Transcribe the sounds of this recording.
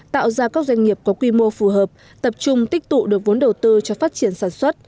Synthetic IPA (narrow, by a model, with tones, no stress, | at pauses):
t̪a̰ː˧˨wzaː˧kaː˦˥k̚za˧jŋ̟ŋi˨˩əp̚kɔ˨˦kwi˧mo˧fu˨˩ɦəː˨˩p̚ | t̪ə˨˩p̚t͡ɕʊ˧ŋ͡mt̪ï˦˥k̚t̪ṵ˧˨ɗɨ˨˩ək̚vo˨˦nɗə˨˩wt̪ɨ˧t͡ɕɔ˧faː˦˥t̚t͡ɕi˧˩ənsaː˧˩nswə˦˥t̚